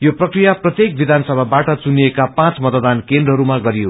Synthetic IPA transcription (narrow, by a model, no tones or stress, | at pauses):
joprʌkrijaprʌt̪jek̚bid̪ʱansʌbʱabaʈʌt͡suniekapãt͡smʌt̪d̪ankend̪rʌɦʌɾumaɡʌɾijo